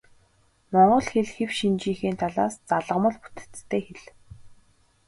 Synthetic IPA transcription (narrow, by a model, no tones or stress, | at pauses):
mɔɴɢɞ̆ɮxeɮxewʃint͡ɕiːŋxiːnt̪ʰaɮaːst͡saɮə̆mə̆ɮpu̥t̪ɘ̥̆t͡st̪ʰːeːxeɮ